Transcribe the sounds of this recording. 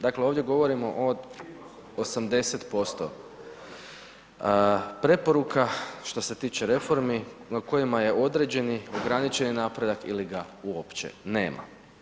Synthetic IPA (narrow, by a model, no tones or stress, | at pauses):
d̪akleoʋd̪je̞ɡo̞ʋo̞ɾimo̞ʔod̪ | osamd̪e̞set̪po̞st̪o̞̰ | pɾe̞po̞ɾukaʃt̪o̞se̞t̪iːt͡ʃeɾe̞fo̞ɾminako̞jimaje̞ʔo̞d̪ɾe̞d͡ʑe̞nio̞ɡɾanit͡ʃe̞ninaːpɾe̞d̪akiliɡauopt͡ʃḛne̞̰ːmʔa̰